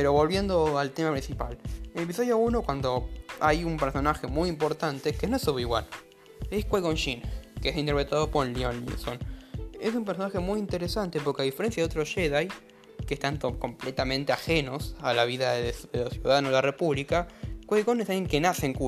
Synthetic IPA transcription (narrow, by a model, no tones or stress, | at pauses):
peɾo̞βo̞lβje̞nd̪oalt̪emapɾĩnsipa̰lenepiso̞ðjouno̞kwand̪o̞ajumpeɾso̞naxemujimpo̞ɾt̪ant̪ekenoesuβiɣwan | eskwejɣonʃinkeesint̪eɾpɾet̪aðo̞poɾlionḭnsones̬umpeɾs̬o̞naxe̞mujint̪eɾesant̪ep̬o̞ɾkeaðifeɾensjaðeot̪ɾosʃeðaj | kest̪aŋt̪oko̞mplet̪amẽnt̪eaxeno̞salaβ̞iðaðeðelosjuða̰ðanoelarepuβlikakwejɣonesalɣeŋkenaseŋku